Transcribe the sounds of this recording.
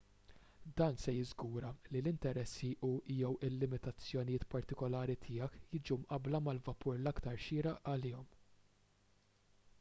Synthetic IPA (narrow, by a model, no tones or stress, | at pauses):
d̪ɐːnsɛjɪzɡuːɾɐlilɪnt̪ɛɾɛsːiʔuʔiːjɔwɪlːɪmɪt̪ɐt͡sːjɔnɪjɪːt̪pɐɾt̪ɪkɔlɐːɾit̪ʰɪːjɐkjɪːd͡ʒumʔɐblɐmɐlvɐpʰʊɾlɐkt̪ɐɾʃɪːɾɐʔʔɐlɪːɔm